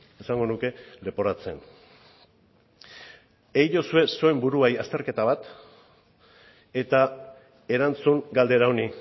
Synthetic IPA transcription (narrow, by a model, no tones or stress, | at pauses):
esaŋɡo̞nuke̞le̞po̞ɾat͡se̞n | eiʎo̞sue̞suembuɾuajast̪e̞ɾke̞t̪aβ̞at̪ | e̞t̪a | e̞ɾant͡suŋɡald̪e̞ɾaoni